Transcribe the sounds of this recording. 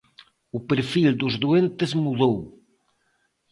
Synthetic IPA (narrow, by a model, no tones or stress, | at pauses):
upeɾfild̪ʊzðuent̪ezmuðow